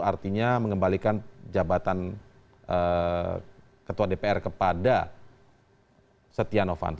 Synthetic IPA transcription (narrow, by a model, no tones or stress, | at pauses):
art̪iɲaməŋəmbalikand͡ʒabat̪an | ʔə | kət̪uwadepeɛrkəpada | sət̪ianofa̰nt̪